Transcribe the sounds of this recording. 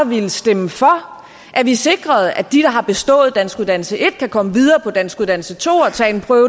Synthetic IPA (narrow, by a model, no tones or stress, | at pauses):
ʋiləsd̥eməfɒ̽ | ʔæɐʋise̝ɡ̥ʁɐð̞̩ˠæd̥iɾ̥ɑ̈ɦɑ̈b̥e̝sd̥ɔ̰̽ːð̞̩ˠd̥æn̰sɡ̥uðˠd̥æn̰l̩səʔe̝d̥kʰækʰɒ̽məʋið̞ˠɐːpʰɒ̽d̥æn̰sɡ̥uðˠd̥ænl̩sət͡sʰo̝̰ːɒ̽t͡sʰɛ̰ːe̝npʰʁœːʊ